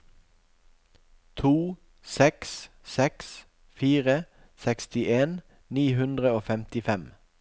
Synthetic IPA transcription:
t̪ʰuː | sɛks | sɛks | fiːʁə | sɛkst̪ɪʔeːn | niːɦʉnd̪ʁəoːfɛmt̪ɪfɛm

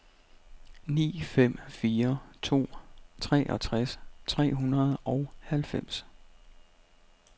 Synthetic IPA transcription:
nḭːfem̰fiːɐt͡sʰo̝̰ːt͡sʰʁɛ̰ːʔɒ̽t͡sʰʁast͡sʰʁɛ̰ːɦunɐð̞ˠʔɒʊhælfem̰s

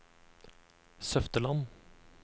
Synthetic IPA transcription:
sœft̪əlɑn

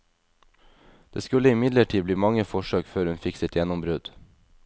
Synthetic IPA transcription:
d̪̥ḛːskʉləɪmɪd̪ləʈʰiːbliːmɑŋəfɔʃøːkføːɾhʉnfɪksɪt̪jɛnʊmbɾʉd̪

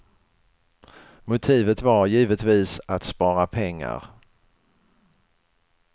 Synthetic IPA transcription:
mʊt̪ʰiːvət̪vaɾjiːvət̪viːsat̪spɑːɾapʰɛŋːa̰ɾ

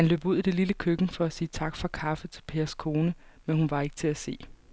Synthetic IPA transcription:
hænlø̰ːb̥uð̰ˠid̥e̝liləkʰøɡ̥n̩fɒ̽æsiːt͡sʰɑ̈ɡ̥fʁɑ̈kʰɑ̈fət͡sʰe̝̥lpʰe̝ːɐskʰo̝ːnəmenhunʋɑ̈e̝ɡ̥ə̥t͡sʰe̝æse̝̰ː

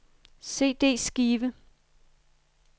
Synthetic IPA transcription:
se̝̰ːd̥e̝̰ːsɡ̥iːʋə

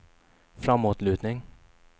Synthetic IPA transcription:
fɾamːuːt̪lʉ̟ːt̪nɪŋ

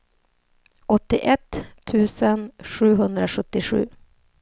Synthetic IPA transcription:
ɔt̪ːɪʔɛt̪ʰːʉ̟ːsənɧʉ̟ːɦɵnd̪ɾaɧɵt̪ːɪɧʉ̟̰ː

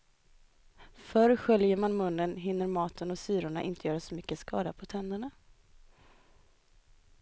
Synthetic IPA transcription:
fœɾɧœljəɾmanmɵnːənɦɪnːəɾmɑːt̪ʰənɔsyːɾʊɳaʔɪ̰nt̪əjœːɾasɔmʏkːəskɑ̰ːd̪apʰɔt̪ʰɛnd̪əɳa

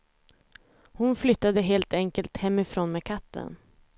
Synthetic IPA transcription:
hʊnflʏt̪ːad̪əɦeːlt̪ɛŋkəlt̪hɛmːɪfɾoːnmeːkʰat̪ːə̰n

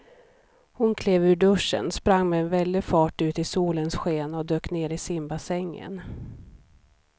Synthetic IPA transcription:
hʊnkʰleːvʉ̟ɖɵʂə̰nspɾaŋːmɛːnvɛld̪ɪfɑːʈʉ̟ːt̪ɪsuːlənsɧeːnɔd̪øːkneːɾɪsɪmbasɛŋːə̰n

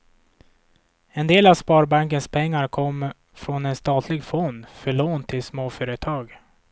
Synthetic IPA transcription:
ɛnd̪eːlavspɑːɾbaŋkənspʰɛŋːaɾkʰɔmː | fɾonɛnst̪ɑːt̪ʰlɪɡfɔnd̪fœɭoːnt̪ʰɪlsmoːfœːɾət̪ʰɑːɡ

